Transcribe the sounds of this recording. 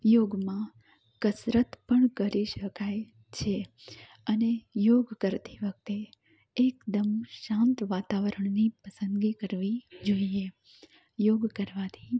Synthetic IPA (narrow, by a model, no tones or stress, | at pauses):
joɡmã | kəsɾət̪pəɳkəɾiʃəkaj | t͡ʃʰe | ənejoɡkəɾt̪iʋək̚t̪eː | kd̪əmʃãnt̪ʋat̪aʋəɾəɳnipəsə̃nd̪ɡikəɾʋid͡ʒoie | joɡkəɾʋat̪ʰi̥